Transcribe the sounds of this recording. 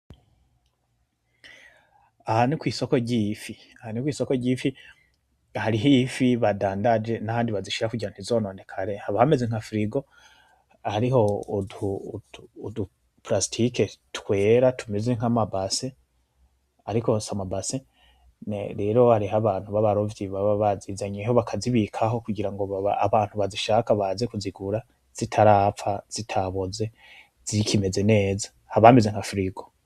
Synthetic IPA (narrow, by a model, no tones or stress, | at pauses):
ahanikwiːso̞ko̞ɟiːfi | ahanikwiːso̞koɟiːfi | haɾiɦifiβadaːndad͡ʒe̞nahaːndiβaziʃiɾakuɟiɾan̥izo̞ːno̞ːndekʰaɾe̞haβahame̞zeŋ̥hafɾiɡo̞ | haɾiɦo̞du | du | pɾastʰike̞tkwe̞ːɾatʰumeze̞ŋ̥amabase | aɾiko̞samabase | nḛɾe̞ɾo̞haɾiɦaβaːn̥huβaβaɾo̞vjiβaβaβaziːzaɲeɦo̞βakʰaziβikʰaɦo̞kuɡiɾaŋɡo̞βaaːβaːn̥huβaziʃaːkaβaze̞kuziɡuɾa | z̥itʰaɾaːfaz̥itʰaβoze̞ | z̥ikʰime̞ze̞ne̞ːzḁ | haβamezeŋ̥afɾiɡo